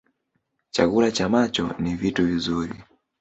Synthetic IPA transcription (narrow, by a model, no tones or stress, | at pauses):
t͡ʃa̰ɡulat͡ʃamat͡ʃɔnivituvizuɾi